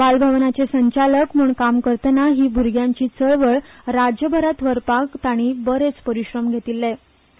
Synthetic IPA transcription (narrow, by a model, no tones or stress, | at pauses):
ʋalbʱəʋnat͡sesəɲt͡ɕaləkmuːɳkamkəɾt̪ənaɦiːbʱuɾɡʱjãɲt͡ɕiːt͡səɭʋəɭɾad͡ʑjəbʱəɾat̪ʋəɾpakt̪aɽ̃ibəɾet͡spəɾiɕɾəmɡʱet̪ilːe